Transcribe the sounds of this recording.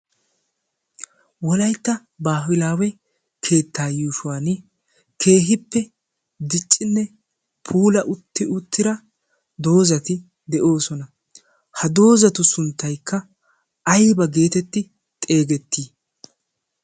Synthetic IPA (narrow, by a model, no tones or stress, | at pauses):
wɔlɐjt̪ːɐ | baːwɪlaːwɛ | kʰe̞ːt̪ːaːjuːʃʊwaːnɪ | kʰe̞ːɦɪpːɛ | d̪ɪt͡ʃʼːɪnːɛ | pʰuːlɐʔʊt̪ːɪʊt̪ʰːɪɾɐ | d̪o̞ːzɐt̪ɪ | d̪ɛʔo̞ːsɔnɐ | hɐd̪o̞ːzɐt̪ʊsʊnt̪ːɐjkːɐ | ɐjbɐɡe̞ːt̪ɛt̪ːɪ | t̪ʼe̞ːɡɛt̪ːiː